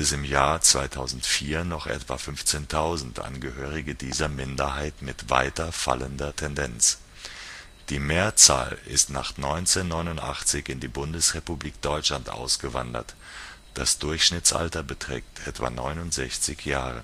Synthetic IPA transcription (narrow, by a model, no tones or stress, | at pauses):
ɪsɪmjaːɐt͡sv̥aɪtʰaʊzn̩tfiːɐnɔχʔɛ̰tv̥a̰fʏnft͡seːntʰaʊzn̩tʔa̰nɡəhøːʁ̞ɪɡədiːzɐmɪndɐɦaɪtmɪtv̥a̰ɪtɐfa̰ləndɐtʰɛndɛnt͡s | d̥iːmeːɐt͡sa̰ːlɪ̰stna̰ːχnɔʏnt͡seːnːɔʏnʊntʔaχt͡sɪçɪndiːbʊndəsʁepubliːk̚d̥ɔʏt͡ʃlantʔa̰ʊsɡ̥əva̰ndɐ̰t | d̥asd̥ʊɐçʃnɪt͡sʔa̰ltɐbətʁ̥ɛ̰ːk̚tʰʔɛtv̥a̰ːnɔʏnʊntz̥ɛçt͡sɪçjaːʁ̞ə̰